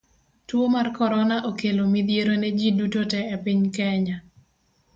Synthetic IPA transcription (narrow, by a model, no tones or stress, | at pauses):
twomarkɔɾɔnaʔokelomid̪jeɾoned͡ʒidutotɛːpɪɲkɛɲa